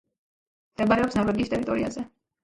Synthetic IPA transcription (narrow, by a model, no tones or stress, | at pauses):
md̪̥ɛbaɾɛɔpsnɔɾwɛɡiːst̪ʼɛɾit̪ʼɔɾia̰zɛ